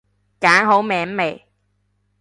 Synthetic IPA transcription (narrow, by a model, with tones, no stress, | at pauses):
kaː˨˥ŋɦo˨˥wmɛː˨˧˥mme˨˩j